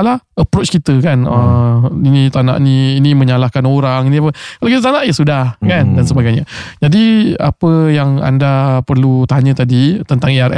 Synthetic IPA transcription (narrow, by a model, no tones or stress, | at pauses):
laəpɾot͡ʃkit̪əkanəinĩt̪ana̰ʔnĩːnĩmə̃ɲalakanoɾaŋinĩapəkalakit̪ət̪anaʔjasudahkandansəbaɡajɲəd͡ʒadia̰pəjaŋa̰ndapərlut̪aɲə̃t̪adit̪ənt̪aŋeaɾɛ̰